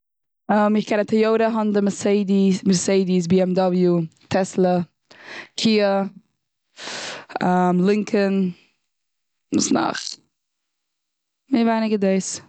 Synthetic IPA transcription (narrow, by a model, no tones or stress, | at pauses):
amɪχkʰɛnatʰajoʊɾəɦɔndəməseɪdiməseɪdis̬biːɛmdɔblˠjutʰɛslˠə | kʰiːə | amlˠɪŋkʰən | mʊsna̰χ | mɪvaɪnɪɡədeɪs